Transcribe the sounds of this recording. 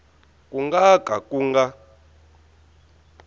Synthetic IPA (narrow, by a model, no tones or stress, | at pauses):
kʼuŋɡakʼakʼuŋɡa